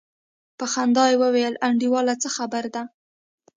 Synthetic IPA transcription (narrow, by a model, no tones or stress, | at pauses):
pəxand̪ɑjwəwejəlʔaɳɖiwɑlat͡səxabaɾd̪a